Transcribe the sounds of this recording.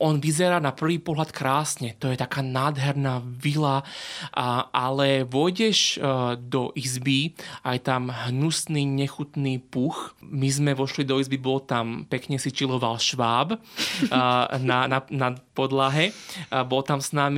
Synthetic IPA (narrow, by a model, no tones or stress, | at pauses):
ɔnʋizɛɾaːnapr̩ʋiːpɔɦlat̪kɾaːsɲɛt̪ɔjɛt̪akaːnaːd̪ɦɛɾnaʋila | ʔalɛʋɔjɟɛʒd̪ɔʔizbiajt̪amɦnusniːɲɛxut̪niːpuxmizmɛʋɔʃlid̪ɔizbibɔlt̪ampɛkɲɛsit͡ʃilɔʋalʃʋaːb | nananapɔd̪laɦɛbɔlt̪amsnaːmi